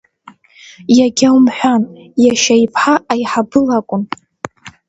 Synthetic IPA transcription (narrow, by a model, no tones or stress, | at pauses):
jaɡʲawmħʷᶣanjaʃajpʰħaʔːjħabɨlakʷʼʊn